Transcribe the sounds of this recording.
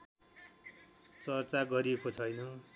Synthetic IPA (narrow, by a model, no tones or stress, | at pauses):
t͡sʌrt͡saɡʌɾiekot͡sʰʌjnʌ